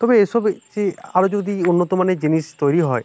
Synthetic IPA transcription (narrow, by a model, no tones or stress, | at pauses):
t̪ɔbeesɔbseaɾod͡ʒod̪iunːɔt̪ɔmaned͡ʒinist̪ɔjɾiɦɔj